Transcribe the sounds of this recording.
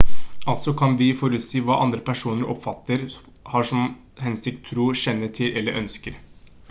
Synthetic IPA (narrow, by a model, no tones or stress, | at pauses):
ɑlt̪sɔkʰɑnʋɪfɔɾʉt̪siːʋɑːʔɑnd̪ɾəpʰæʂuːnəɾʔɔ̰pfɑt̪ːəɾ | hɑʂɔm | hɛnsɪk̚t̪ʰːɾuːɕɛnːəʈʰɪlʔɛlːəɾʔœnskəɾ